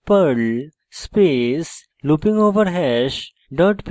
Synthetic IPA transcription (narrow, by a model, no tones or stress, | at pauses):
pəl | spes | lupĩŋɡoʋəɾɦɛɕ | ɖəʈp